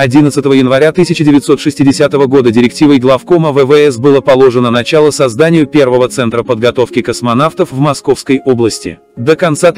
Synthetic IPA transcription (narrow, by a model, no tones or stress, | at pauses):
ɐdʲinət̪sɨt̪əvəjɪnvɐɾʲat̪ɨsʲɪt͡ɕɪdʲɪvʲɪt̪so̞t̪ʂɨsʲtʲɪdʲɪsʲat̪əvəɡo̞d̪ədʲɪɾʲɪk̚tʲivəjɡlˠafko̞məvɛvɛɛsbɨlˠəpɐlˠo̞ʐɨnənɐt͡ɕalˠəsɐzd̪anʲɪjʊpʲe̞rvəvət̪sɛnt̪ɾəpəd̪̚ɡɐt̪o̞fkʲɪkəsmɐnaft̪əfvmɐsko̞fskəjoblˠəsʲtʲɪ̰ | d̪əkɐnt̪sa